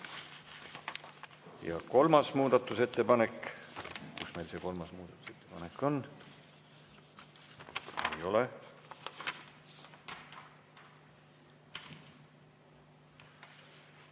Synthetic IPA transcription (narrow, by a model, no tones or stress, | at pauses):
jɑ̰ko̞lmɑsmuːd̪̥ɑt̪ːˑuse̞t̪ːe̞pɑne̞kː | kusme̞jlse̞ko̞lmɑsmuːd̪ɑt̪ːˑu̥se̞t̪ːe̞pɑ̰ne̞kːˑo̞n | ejo̞le